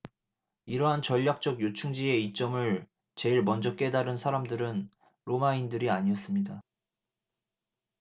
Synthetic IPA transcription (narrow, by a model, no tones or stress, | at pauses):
iɾʌɦant͡ɕʌʎːak̚t͡ɕ͈ʌɡjot͡ɕʰuŋd͡ʑie̞it͡ɕ͈ʌmɯɭ | t͡ɕe̞iɭmʌnd͡ʑʌk͈e̞daɾɯnsʰaɾamdɯɾɯn | ɾomaindɯɾiaɲiʌs͈ɯmɲida